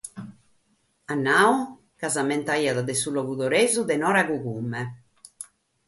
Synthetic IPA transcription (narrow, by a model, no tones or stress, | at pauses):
anːaːu | kazamɛnt̪aiaðaðɛsulɔɣuðɔɾeːzuðɛnɔːɾaɣuɣumːɛ